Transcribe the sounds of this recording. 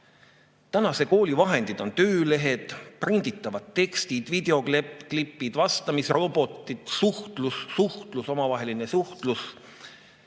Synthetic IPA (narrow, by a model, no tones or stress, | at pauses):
t̪ænɑse̞ko̞ːlivɑɦe̞nd̪̥id̪̥o̞nt̪øːle̞ɦe̞d̪̥prind̪̥it̪ːˑɑvɑd̪̥t̪ːe̞kst̪id̪̥vid̪e̞o̞klepːklipːid̪̥vɑst̪ɑmisro̞bo̞t̪ːˑit̪suht̪lussuht̪luso̞mɑvɑɦe̞linesuht̪lus